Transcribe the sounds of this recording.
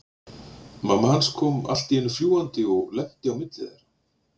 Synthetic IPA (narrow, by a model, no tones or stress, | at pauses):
mamːahanskʰɔːma̰l̥t̪iɪnːʏɾ̥fljuːwant̪ɪɔɣlɛh̪t̪ɪawmɪt̪lɪðɛɾ̥